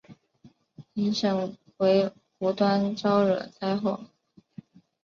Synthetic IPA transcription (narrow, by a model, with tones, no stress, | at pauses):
i˧˥nʂɤ˥˩ŋ | xwe˧˥ɪ | pu˧˥t̪wa˥nʈ͡ʂɑ˥ʊɻɤ̰˨˩t͡sa˥ɪxo˥˩ʊ